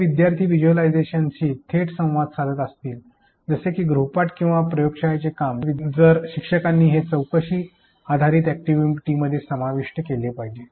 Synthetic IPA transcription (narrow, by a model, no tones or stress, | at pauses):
ʋid̪jaɾt̪ʰiːʋid͡ʑuəlajd͡zeɕant͡ɕiːt̪ʰeʈsə̃w̃ʋad̪sad̪ʱət̪əst̪iːl | d͡zəsekiːɡɾupaʈkĩw̃ʋapɾəjokʂajt͡sekamʋid͡zəɾɕikʂəkanːiːɦet͡səwkəɕiː | ad̪ʱaɾiːt̪æk̚ʈiʋiʈiːməd̪ʱːjesəmaʋiʂʈəkelepaɦid͡ʑe